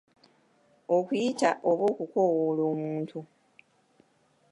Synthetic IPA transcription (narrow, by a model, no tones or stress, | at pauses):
o̞kujitaʔoβo̞ːkuko̞ːwolo̞ːmuːntʰu